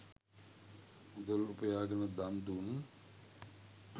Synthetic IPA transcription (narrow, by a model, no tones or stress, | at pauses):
ud̪əlupəjaːɡənəd̪and̪un